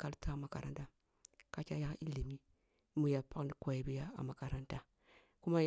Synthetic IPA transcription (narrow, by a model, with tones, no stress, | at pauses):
ka˦lta˦˨ma˨ka̰˨ɾa̰˨n˦ta˨ | ka˦t͡ʃa˦ja˦kʔi˦li˨mi˦ | mu˨ja˨pa˦kni˨ko˨ji˨bi˦ja˦a̰˨ma˨ka˨ɾa˦nta˦ | ku˦ma˦j